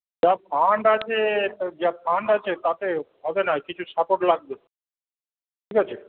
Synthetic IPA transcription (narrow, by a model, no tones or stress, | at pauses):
d͡ʑapʰaɳɖat͡ɕʰed͡ʑapʰaɳɖat͡ɕʰet̪at̪eɦɔbenakit͡ɕʰuʃapoʈlaɡ̚be | ʈʰikɦat͡ɕʰe